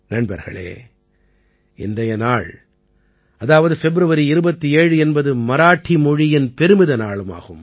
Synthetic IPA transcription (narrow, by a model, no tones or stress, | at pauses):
nɐɳbɐ̰ɾɣɐ̰ɭḛː | ʔɪ̰nd̪ɐjɐnaːɭ | ɐðaːʋɐðɯfɛbɪɾɯʋɐɾiɪɾɯbɐt̪ːieːɻɯɛnbɐðɯmɐɾaːʈːimɔɻɪjɪnpɛɾɯmɪðɐnaːɭɯma̰ːɣɯm